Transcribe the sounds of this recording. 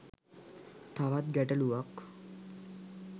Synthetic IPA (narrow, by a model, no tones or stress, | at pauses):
t̪aʋat̪̚ɡæʈəluʋak